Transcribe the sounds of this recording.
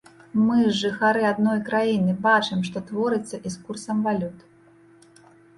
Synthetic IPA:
mɨzʐɨxaɾɨad̪nɔjkɾajinɨbat͡ʂɨmʂt̪ɔt̪vɔɾɨt̪sːɐʔiskursɐmvalʲut̪

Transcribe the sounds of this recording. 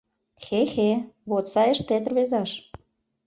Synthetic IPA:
xexeβot̪sɑjə̆ʃt̪et̪ə̆rβezɑʃ

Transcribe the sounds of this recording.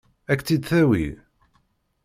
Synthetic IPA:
ækːt͡s̪ːid̪θæwḭ

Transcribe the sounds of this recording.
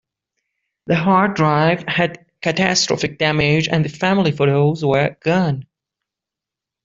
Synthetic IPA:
ðɨɦɑɹ̚dɹaɪv̥hɨd̚ | kʰɨtʰæstɹ̥ɔ̰fɨk̚d̥æmɪd͡ʒɨ̰̃nðɨfæmlˠifoɾoʊzwə˞ɡ̥ʌn

